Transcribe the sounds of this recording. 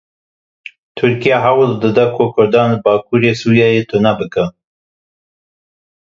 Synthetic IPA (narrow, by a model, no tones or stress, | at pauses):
t̪ʰʊɾkijaɦawɨld̪ɨd̪ɐkʰokʰʊɾd̪ɑːnəbɑːkʰuːɾeːsuːɾjɑjet̪ʰʊnabɨka